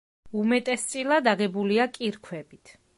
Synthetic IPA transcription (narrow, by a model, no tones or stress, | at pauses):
umɛt̪ʼɛst̪sʼilˠad̪aɡɛbuliakʼiɾkʰwɛbit̪ʰ